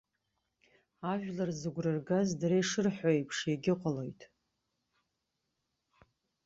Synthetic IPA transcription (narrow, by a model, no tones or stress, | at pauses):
aʒᶣlarzɨɡʷrɨrɡazdaɾejʂɨrħʷojpʰʂjaɡʲɪqʷʼalo̞jtʼ